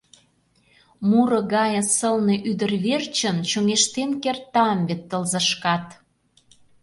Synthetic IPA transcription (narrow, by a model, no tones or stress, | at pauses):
muɾɤ̆ɣɑjə̆səlneʔyd̪ə̆rβert͡ɕə̆nt͡ɕoŋeʃt̪enkert̪ːɑmbet̪ːəlzə̆ʃkɑt̪